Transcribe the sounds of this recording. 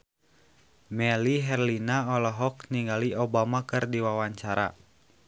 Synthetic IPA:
mɛliɦɛrlinaɔlɔɦɔkniŋɡaliɔbamakɨrdiwawaɲt͡ʃaɾa̰

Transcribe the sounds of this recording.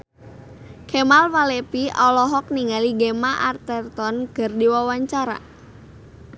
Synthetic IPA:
kʰɛmalwalɛpiʔɔlɔɦɔk̚niŋaliɡemaʔart̪ɛrt̪ɔnɡ̥ərdiwawaɲt͡ʃaɾa̰

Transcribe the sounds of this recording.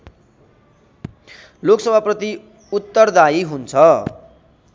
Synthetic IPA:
loksʌbʱaprʌt̪i | ut̪ːʌrd̪aiɦunt͡sʰʌ

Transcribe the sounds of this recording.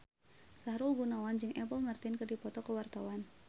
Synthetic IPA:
saɦɾulɡunawand͡ʒɨŋʔɛpəlmart̪ɪnkərdipɔt̪ɔkəwart̪awan

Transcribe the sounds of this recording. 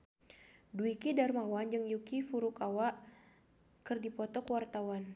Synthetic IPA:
duikidarmawand͡ʒɨŋjukifuɾukawaʔ | kɨrdipɔt̪ɔkəwart̪awan

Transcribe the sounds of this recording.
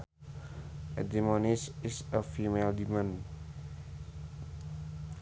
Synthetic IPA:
ed̪imɔnɪsɪsəfimeld̪imə̃n

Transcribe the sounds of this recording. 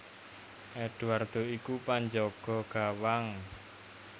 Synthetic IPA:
ʔɛɖ̥uard̪̥oikupaɲd͡ʒɔɡ̥ɔ̤ɡ̥awaŋ

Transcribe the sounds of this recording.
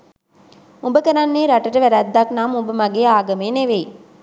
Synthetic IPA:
umbəkɐnanːeːɾɐʈɐʈɐʋæɾæd̪ːaknaːmumbəmɐɡeːaːɡɐmeːneʋej

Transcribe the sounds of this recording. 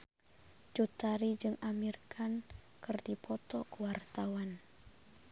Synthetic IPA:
t͡ʃut̪aɾid͡ʒɨŋamirkʰan | kɨrdipɔt̪ɔkuwart̪awan

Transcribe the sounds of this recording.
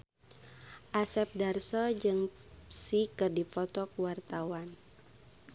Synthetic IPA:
ʔasɛp̚darsɔd͡ʒɨŋ | psikɨrdifɔt̪ɔkuwart̪awan

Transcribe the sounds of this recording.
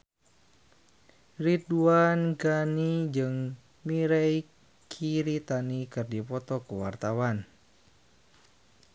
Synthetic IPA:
rit̪uanɡanid͡ʒɨŋ | miɾɛj | kʰiɾit̪anikɨrdipɔt̪ɔkuwart̪awan

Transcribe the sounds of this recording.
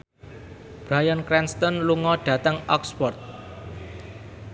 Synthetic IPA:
b̥ɾajənkɾɛnst̪ɔnluŋɔɖ̥ä̤t̪əŋɔkspɔrt̪̚

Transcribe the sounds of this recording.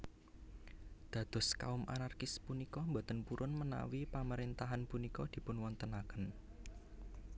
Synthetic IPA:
d̪̥ä̤d̪̥ɔ̤ska̰ʊmʔa̰narkɪspunikɔmbot̪ənpuɾʔʊnməna̰wipaməɾent̪aɦanpunikɔd̪̥i̤pʊnwɔnt̪ənakən

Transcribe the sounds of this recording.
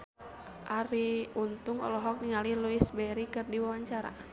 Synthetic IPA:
ʔaɾiunt̪uŋɔ̰lɔɦɔk̚niŋaliluisbɛɾikɨrdiwawaɲt͡ʃaɾa̰

